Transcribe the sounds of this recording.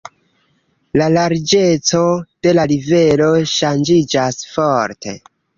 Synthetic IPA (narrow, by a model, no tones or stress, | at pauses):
lalaɾd͡ʒe̞t͡so̞d̥e̞laɾive̞lo̞ʃand͡ʒid͡ʒasfo̞ɾtʰe̞̰